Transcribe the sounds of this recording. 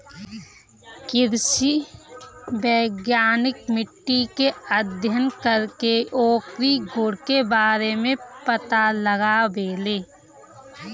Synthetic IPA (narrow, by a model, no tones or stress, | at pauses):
kɪɾʃi | bəːɡjaːnɪkmɪʈːikeəd̪ʱjənkəɾkeoːkɾiɡʱʊɽkebaːɾemẽpət̪aləɡaʋeːleː